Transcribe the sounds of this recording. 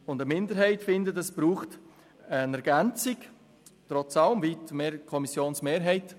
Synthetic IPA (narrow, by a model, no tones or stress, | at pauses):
ʊndəmɪndəɾɦɛɪtfɪndətɛsb̥ɾuːχt | ənɛɾɡ̥ɛnt͡sɪk | tɾɔt͡sɑləmviːtmeːkʰɔmisjoːnsmeːɾɦɛɪt